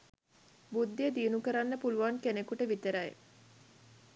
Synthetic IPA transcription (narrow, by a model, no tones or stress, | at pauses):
bud̪ːiəd̪iːnukəɾanːəpuluʋaŋkenekuʈəʋit̪əɾaj̰